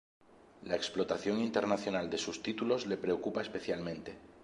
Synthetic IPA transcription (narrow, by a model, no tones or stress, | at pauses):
laeksplo̞t̪aθjo̞ŋint̪e̞ɾnaθjo̞nald̪e̞sust̪it̪ulo̞zle̞pɾe̞okupaespe̞θjalmẽ̞nt̪e̞